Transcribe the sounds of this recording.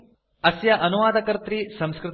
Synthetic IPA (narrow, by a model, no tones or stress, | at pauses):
ɐsjɐʔɐnuʋaːd̪ɐkɐɾt̪ɾisɐ̃mskɾɨt̪